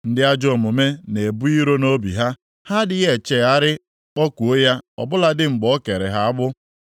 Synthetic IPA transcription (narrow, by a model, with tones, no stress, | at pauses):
n̩˦dɪ˦a˦d͡ʒɔ˦˨mʊ˨me˦ne˨bu˦i˦ɾo˦no˦bḭ˨ɦa˦ | ha˦dɪ˦ɣe˨t͡ʃe˨a˦ɾɪ˦ | ɔ˦kʷu˨o˦ja˦ɔ̰˨bʊ˦la˦dɪ˦ŋ͡m̩˨ɡ͡bɔ˦ke˨ɾḛ˨ɦa˦a˦bʊ˦